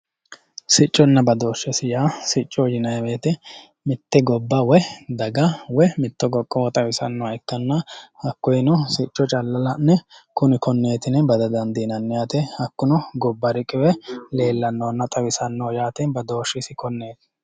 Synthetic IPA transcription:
sɪt͡ʃʼːɔnːɐbɐd̪oːʃːɛsɪjaːsɪt͡ʃʼːɔd͡ʒɪnɐjweːt̪ɛ | mɪt̪ːɛɡɔbːɐwɛd̪ɐɡɐwɛmɪt̪ːɔɡɔkʼːɔwɔt̪ʼɐwɪsɐnːɔwɐɛkːɐnːɐhɐkːɔjɪnɔsɪt͡ʃʼːɔt͡ʃʼɐlːɐlɐnːɛkʊnɪkɔnːe̞ːt̪ɪnɛbɐd̪ɐd̪ɐnd̪inɐnːɪjat̪ɛhɐkːʊnɔɡɔbːɐɾɪkʼːɪwɛle̞ːlːɐnːoːnːɐt̪ʼɐwɪsɐnːoːjaːt̪ɛbɐd̪o̞ːʃːɪsɪkɔnːe̞ːt̪ɪ̥

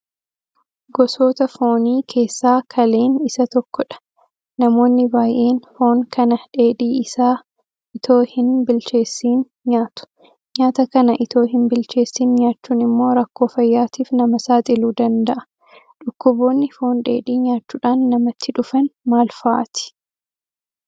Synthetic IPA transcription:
ɡɔso̞ːt̪ɐfo̞ːniːkʰe̞ːsːaːkʰɐle̞ːnɪsɐt̪ɔkːɔᶑɐ̥ | nɐmo̞ːnːɪbaːjʔe̞ːnfo̞ːŋkʰɐnɐᶑe̞ːᶑiːɪsaː | ʔɪt̪ʰo̞ːhɪnbɪlt͡ʃe̞ːsːiːn | ɲaːt̪ʊ̥ | ɲaːt̪ɐkɐnɐʔɪt̪o̞ːɦɪnbɪlt͡ʃe̞ːsːiːnɲaːt͡ʃːuːnɪmːo̞ːɾɐkːo̞ːfɐjːaːt̪iːfnɐmɐsaːt̪ʼɪluːd̪ɐnd̪ɐʔɐ̥ | ᶑʊkːʊbo̞ːnːɪfo̞ːnᶑe̞̰ːᶑiːɲaːt͡ʃːuːᶑaːnːɐmɐt̪ʰːɪᶑʊfɐnmaːlfaʔːt̪ɪ̥

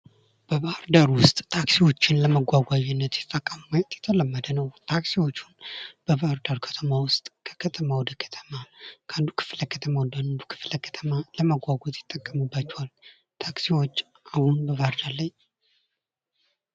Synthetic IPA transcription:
b̥əbaɾd̪aɾwʊst̪ʼt̪ʰaksiwo̞t͡ʃːɪnləməɡʷwaɡʷajɛnːət̪jɛt̪ʰt̪ʼːəkʼːammajt̪ʼjɛt̪ʰələmːəd̪ənəwt̪ʰaksiwo̞t͡ʃːunb̥əbaɾd̪aɾkʰə̥t̪ʰəmawʊst̪ʼkʰə̥kʰət̪ʰəmawɔd̪əkʰə̥t̪ʰə̥makʰand̪ukʰɨ̥fləkʰət̪ʰəmawnd̪and̪ukʰɨ̥fləkʰə̥t̪ʰəmaləməɡʷaɡʷot̪ʼjɪt̪ʼːəkʼːəmubːat͡ʃːɛwal | t̪ʰaksiwo̞t͡ʃː | ʔahunbəβaɾd̪alaɲ

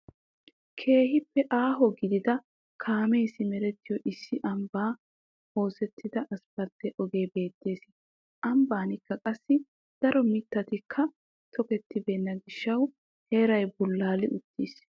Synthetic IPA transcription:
kʰe̞ːhɪpːɛʔaːɦɔɡɪd̪ɪd̪ɐ | kʰaːmejsɪmɛɾɛt̪ːɪjɔʔɪsːɪʔɐmbaː | ho̞ːsɛt̪ːɪd̪ɐʔɐspɐɾt̪ːɛʔɔɡe̞ːbe̞ːt̪ːe̞ːsɪ | ʔɐmbaːnɪkːɐkʼɐsːɪ | d̪̥ɐɾɔmɪt̪ːɐt̪ɪkʰːɐ | t̪ʰɔkɛt̪ːɪbe̞ːnːɐɡɪʃːɐw | he̞ːɾɐjbʊlːaːlɪʔʊt̪ːiːs

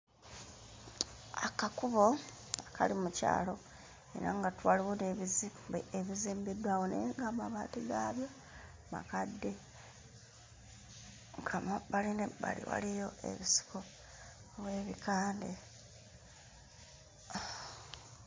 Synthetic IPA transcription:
akakuβo̞ | akʰalimuca̰ːlo̞ | ḛɾaŋɡatwaːliwoneβizimbḛeβiziːmbidwaːwo̞nḛŋɡamaβaːtiɡaːβjo̞ | ma̰kadːe̞ | ɡamaβalineβalḭwa̰lijo̞ʔe̞̰βisi̥koː | βwe̞ːβikaːnde

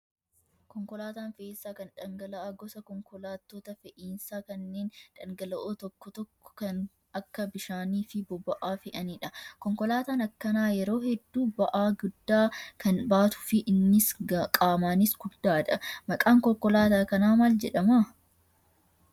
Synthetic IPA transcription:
kɔŋkɔlaːt̪aːnfɛʔiːnsːaːkɐnᶑɐŋɡɐlɐʔaːɡɔsɐkɔŋkɔlaːt̪ːoːt̪ɐfɛʔiːnsaːkɐnːeːnᶑɐŋɡɐlɐʔoːt̪ɔkːɔt̪ɔkːɔ̥kɐn | ɐkːɐbɪʃaːniːfɪbɔbɐʔaːfɪʔɐniːᶑɐkɔŋkɔlaːt̪aːnɐkːɐnaːjɛɾo̞ːhɛd̪ːuːbɐʔaːɡʊd̪ːaːkɐnbaːt̪ʊ̥fɪʔɪnːɪskʼaːmaːnɪsɡ̥ʊd̪ːaːᶑɐmɐkʼaːŋkɔkːɔlaːt̪aːkɐnaːmaːld͡ʒɛᶑɐma

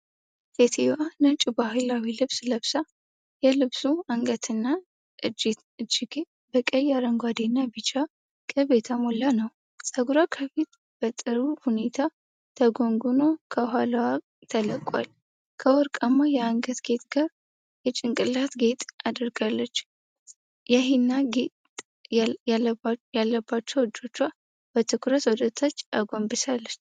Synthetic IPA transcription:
t̪et̪ʰewanət͡ʃʼibahɨlawilɨβsləβsa | jɛlɨβsuaŋɡət̪ʰɨnːa | ʔɨd͡ʒt̪ | ɨd͡ʒːɪɡ | bəkʼəjaɾəŋɡʷad̪enːabɨt͡ʃːa | kʼəβet̪ʰəmolanəw | sʼəɡuɾakʰəβet̪ | b̥ət̪ʼɨɾuhune̞t̪ʰa | t̪ʰəɡo̞ŋɡuno̞kʰəɦalwa | t̪ʰələkʼwa̰l | kʰəwɔɾkʼamːajɛaŋɡət̪ɡe̞t̪ɡaɾ | jɛt͡ʃʼɪŋkʼɨlat̪ɡe̞t̪ʼad̪əɾɡalːət͡ʃː | jaɦinːaɡe | jalːəbːat͡ʃːɛwɨd͡ʒːo̞t͡ʃːwa | b̥ət̪ʰɨkʰɾət̪wɔd̪ət̪ʰat͡ʃːa̰ɡombɨsalːət͡ʃː

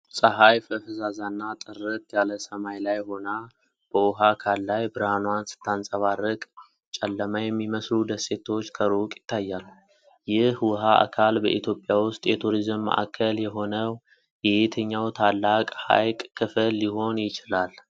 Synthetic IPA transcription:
sʼəɦajfəfəzazanːat̪ʼɨrɨt̪jaləsəmajlajho̞na | b̥əwʊɦakʰalːajbɨɾanwansɨ̥t̪ʰːansʼəβarːəkʼ | t͡ʃʼɛlːəmajɛmːiməslud̪əsːe̞t̪ʰo̞t͡ʃːkʰəɾukʼjɪt̪ʰːajːalːu | jɪhwɦaʔa̰kʰalbəʔit̪ʰjo̞pʼːjawʊst̪ʼjɛt̪ʰuɾizmːa̰ʔa̰kʰːəljɛɦo̞nəw | jɛhet̪ʰəɲːawt̪ʰalːakʼha̰jkʼkʰːɨfəlːiho̞njɪt͡ʃɪlal

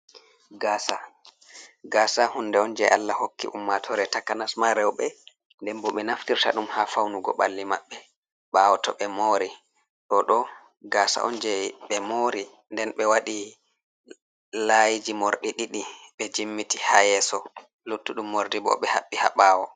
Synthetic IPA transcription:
ɡasa | ɡaːsahunːdɛɔnd͡ʒɛʔa̰lːahokːḭʔumːatʰɔɾɛtakːanasmaɾɛwɓɛ | ndɛnbɔɓɛnaftiɾta̰ɗumhafawnuɡɔ̰ɓa̰lːima̰ɓːɛ | ɓawɔtɔɓɛmoːɾi | ɗɔɗɔ | ɡaːsa̰ʔɔ̰nd͡ʒɛɓɛmoːɾi | ndɛnɓɛwaɗi | laːjid͡ʒimoɾɗiɗiɗiɓɛd͡ʒimːitihajɛsɔ | lutːuɗumːoɾdibɔ̰ɓɛhaɓːiha̰ɓaːwɔ

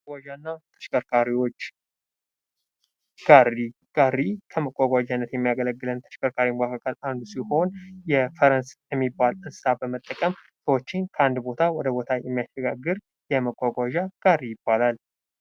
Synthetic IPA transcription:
ɡʷaʒanːat̪ʰə̥ʃkʼəɾkʰaɾiwo̞t͡ʃː | ɡ̥ariɡ̥arːikʰəməkʼːaɡʷad͡ʒanːət̪jɛmːijaɡələɡːɨlənt̪ʰə̥ʃkʼəɾkʰaɾimɡakʰakʰəland̪usiho̞njɛfəɾənsjɛmːibːalɨnsabəmət̪ʼːəkʼəm | səwot͡ʃːɪnkʰəand̪bo̞t̪ʰawɔd̪əbo̞t̪ʰajɛmːijaʃəɡaɡːɨɾ | jɛməkʼːaɡʷaʒaɡ̥arːijɪbːalal

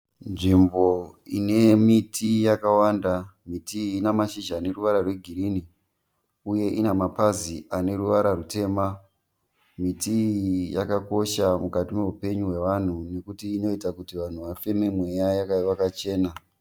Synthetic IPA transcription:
nʐimbo̞ḭne̞mitʰijakawaːndamitiːnamaʃiʒaːne̞ruʋaɾarwe̞ɡʱiɾini | uje̞ʔinamapaziʔane̞ɾuʋaɾarute̞ːma | mitija̰kako̞ʃamukatime̞upe̞ɲuɦwe̞ʋan̤une̞kutiːno̞itakutiʋan̤uʋafe̞memwe̞jajakaiwakat͡ʃe̞ːna

